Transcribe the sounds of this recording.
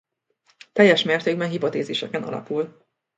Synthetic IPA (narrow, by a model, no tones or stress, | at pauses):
t̪ɛjːɛʃmeːrt̪eːɡ̚bɛnɦipot̪eːzeːʃɛkɛnɒ̰lɒ̰pul